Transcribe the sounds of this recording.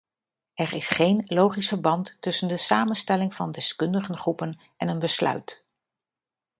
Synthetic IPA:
ɛɹɪsχejnlowχisfəɹbɑntːɵsəndəsaːmənstɛlɪŋv̥ɑndɛskɵndəχənχrupən | ɛnənbəslœ̰ɥt

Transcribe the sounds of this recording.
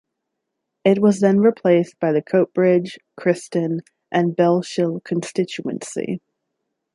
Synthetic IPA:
ɪt̬̚wʌzðɨ̃nɹipʰl̥eɪsb̥aɪðɨkʰoʊt̚b̥ɹɪd͡ʒ̥kʰɹ̥ɪstɨ̃n | ʔɨ̃nbɛlˠʃɪlˠkʰɨ̃n̩stɪt͡ʃuɨ̰̃nsḭ

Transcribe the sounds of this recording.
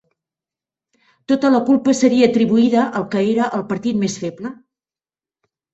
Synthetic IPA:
t̪ot̪ələkulˠpəsəɾiəːt̪ɾiβuiðəʔəlˠkəeɾəʔəlˠpəɾt̪it̪mesfɛblə

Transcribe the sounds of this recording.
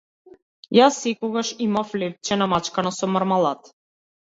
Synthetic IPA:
jasːɛkɔɡaʃimaflɛp̚t͡ʃɛnamat͡ʃkanasɔmaɾmalˠat̪

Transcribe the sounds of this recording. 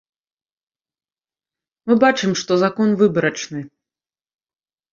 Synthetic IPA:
mɨbat͡ʂɨmʂt̪ɔzakɔnvɨbɐɾɐt͡ʂnɨ

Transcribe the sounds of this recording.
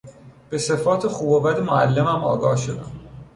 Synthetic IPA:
b̥e̞se̞fɒːt̪ʰexuːbobæd̪emoæ̰lːemæmɒːɡɒːhʃod̪æm

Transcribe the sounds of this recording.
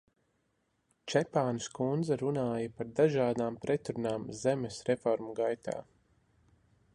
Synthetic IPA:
t͡ʃɛpaːnskund̪zaɾunaːjɐpaɾd̪aʒaːd̪aːmpɾɛt̪ɾunaːmzɛmesɾɛfɔɾmuɡajt̪a̰ː

